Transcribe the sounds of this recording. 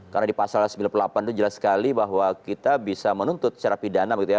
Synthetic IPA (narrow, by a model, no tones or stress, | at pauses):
karnadipasalsəmbilanpulapant̪ud͡ʒəlaskalibaɦwakit̪abisamənunt̪ʊt̪̚sə̥t͡ʃaɾapidanabəɡit̪uja